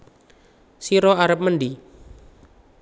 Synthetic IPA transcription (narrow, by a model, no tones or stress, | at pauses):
siɾɔaɾəp̚mənɖi